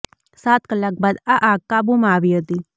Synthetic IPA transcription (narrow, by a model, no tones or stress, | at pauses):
saːt̪kəlːak̚baːd̪aʔaːkːabumaːʋiɦot̪i